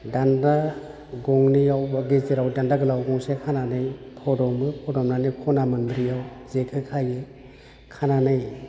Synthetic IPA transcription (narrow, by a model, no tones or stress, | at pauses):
danda | ɡɔŋnijawbaɡezeɾawdandaɡɯlawɡɔŋsekʰananɯjpʰɔdɔmɯpʰɔdɔmnanikʰɔnamɯndɾijawzekʰɯkʰajɯ | kʰananɯj